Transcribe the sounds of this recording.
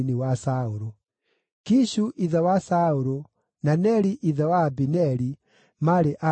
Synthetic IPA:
niwasaoɾo | kiʃuʔiðɛwasaoɾo | nanɛɾiʔiðɛwabinɛɾi | maɾeʔa

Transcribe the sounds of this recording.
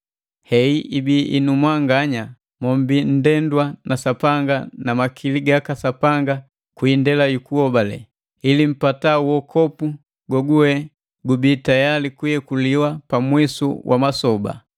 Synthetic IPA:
hɛiʔibiʔinumwaŋɡaɲa | mɔmbin̩dɛndwanasapaŋɡanamakʰiliɡakasapaŋɡa | kwindɛlajukuhɔbalɛ̰ | ilim̩patauwɔkʰɔpu | ɡwɔɡuwɛ | ɡubiːtajalikujɛkuliwapamwisṵwʔa̰masɔba̰

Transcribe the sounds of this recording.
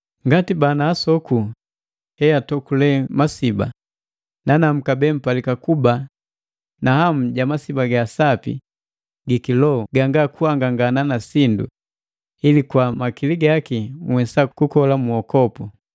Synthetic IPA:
ŋɡatibanaːsɔku | hɛjatɔkulɛmasiba̰ | nanam̩kabɛm̩palikakuba | naham̩ɟamasibaɡasapḭ | ɡikilɔɡaŋɡakuaŋɡaŋɡananasindṵ | ilikwamakiliɡakiŋwɛsakukɔlamuɔkɔpu

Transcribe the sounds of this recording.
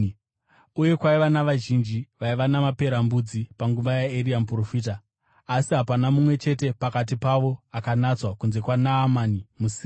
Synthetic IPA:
uje̞kwaiʋanaʋaʒind͡ʒiʋaiʋanamape̞ɾambud͡zipaŋɡuʋajaeɾiamprofiːtaː | siɦapanamumwe̞t͡ʃe̞te̞pakat̬ipaʋo̞akanat͡swakunze̞kwanaːmanimusiː

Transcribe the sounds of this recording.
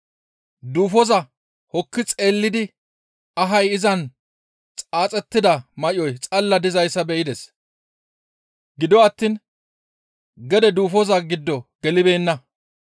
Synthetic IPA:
d̪uːfɔzɐ | hɔkːɪt͡sʼe̞ːlːɪd̪ɪ | ɐɦɐjɪzɐn | t͡sʼaːt͡sʼɛt̪ːɪd̪ɐmɐʔɪɔjt͡sʼɐlːɐd̪ɪzɐjsːɐbɛʔɪd̪ɛs | ɡɪd̪ɔɐt̪ːiːn | ɡɛd̪ɛd̪uːfɔzɐɡɪd̪ːɔɡ̥ɛlɪbe̞ːnːɐ

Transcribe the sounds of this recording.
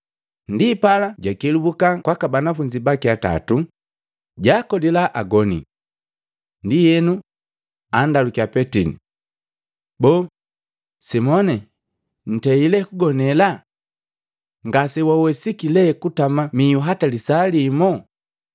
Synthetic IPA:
ndipalaɟakɛlubukakwakabanafuɲd͡ʒibakiata̰tu | ɟakɔdilaʔaɡɔnḭ | ndijɛnu | andalukiapɛtinḭ | bɔː | simɔnɛ | n̩tɛilɛkuɡɔnɛla | ŋɡasɛwawɛsikilɛkutamamijuɦatalisalimɔ

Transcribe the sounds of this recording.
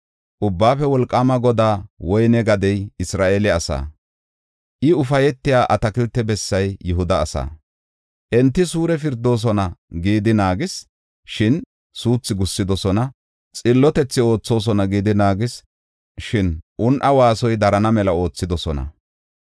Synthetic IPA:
ʔʊbːaːfɛwɔlkʼːamɐɡɔd̪aːwɔjnɛɡɐd̪ɛjɪsɾaːʔeːlɪɐsa̰ː | ʔɪʊfɐjɛt̪ːɪjaːʔɐt̪ɐkɪlt̪ːɛbɛsːɐjːɪɦʊd̪ɐːsa̰ː | ʔɛnt̪ːɪsuːɾɛfɪɾd̪ːo̞ːs̬ɔnɐɡiːd̪ɪnaːɡɪs | ʃɪn | suːt͡sːɪɡʊsːɪd̪ɔsɔnɐ | t͡sʼɪlːɔt̪ɛt͡sːɪo̞ːt͡sːo̞ːs̬ɔnɐɡiːd̪ɪnaːɡɪs | ʃɪnʔʊnʔɐwaːsɔjd̪ɐɾɐnɐmɛlɐo̞ːt͡sːɪd̪ɔsɔnɐ̰

